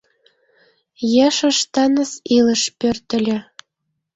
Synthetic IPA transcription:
jeʃə̆ʃt̪ɑnəsilə̆ʃpørt̪ə̆lʲĕ

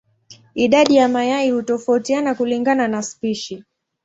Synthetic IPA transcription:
iɗaɗijamajaihutɔfautianakuliŋɡananaspiʃi

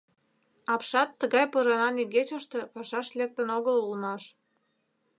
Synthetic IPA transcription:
ɑpʃɑt̪ːəɣɑjpɤɾɤnɑneɣet͡ɕəʃt̪epɑʃɑʃlek̚t̪ənoɣəlulmɑʃ

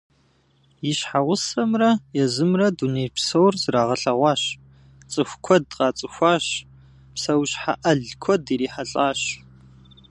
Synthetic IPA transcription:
jɪɕħaʁʷʊsɐmrɐjɛzɨmrɐduneːjpsɐwrzɨraːʁɐɬɐʁʷɑːɕ | t͡sʼɨxʷkʷʰɔdqɑːt͡sʼɨxʷɑːɕ | psɐwɕħa̰ʔɐɮkʷʰɔdiːɾiːħaɬʼaːɕ

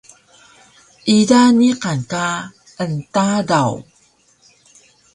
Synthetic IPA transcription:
ʔidanikanka | əntadaw

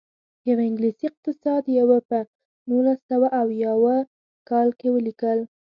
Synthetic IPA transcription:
jawaɪŋɡlisiɪq̚t̪ɪsɑd̪jawapə | nulasawaʔawjawə | kɑlkewəlikəl

